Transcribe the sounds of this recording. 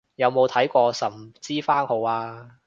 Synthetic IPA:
jɐ˨˧wmo˨˧wt̪ʰɐ˨˥jkʷɔː˧sɐ˨˩mt͡siː˥faː˥nho˨˧waː˧

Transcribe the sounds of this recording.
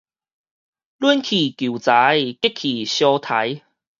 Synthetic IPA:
lwu˦nkʰi˨˩kju˨˩t͡sa˨˦jke˥kʰi˨˩ɕjɔ˧t̪ʰa˨˦j

